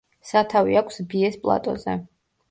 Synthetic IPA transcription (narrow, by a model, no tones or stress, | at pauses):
sat̪ʰaviakʷʰsbiɛspʼlˠa̰t̪ʼɔ̰zɛ